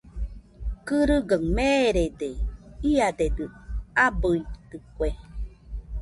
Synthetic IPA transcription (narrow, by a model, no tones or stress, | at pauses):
kɨɾɨɡəŋmeɾed̪eiad̪ed̪ɯabɯit̪ɯkʷe